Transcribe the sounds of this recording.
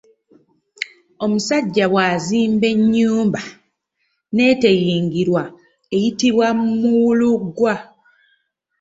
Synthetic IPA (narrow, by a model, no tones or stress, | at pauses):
o̞musaɟːaβwaziːmbe̞ɲːuːmba | ne̞ːte̞jiːŋɡiɾwa | e̞jitiβwamuwuluɡwa